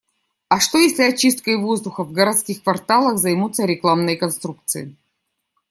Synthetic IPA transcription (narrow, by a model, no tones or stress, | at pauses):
ɐʂt̪o̞jesʲlʲɪɐt͡ɕist̪̚kəjvozd̪ʊxəvɡəɾɐt̪skʲixkvɐrt̪alˠəxzɐjmut̪sːəɾʲɪklˠamnɨjkɐnst̪ɾuk̚t̪sɨ̰ɪ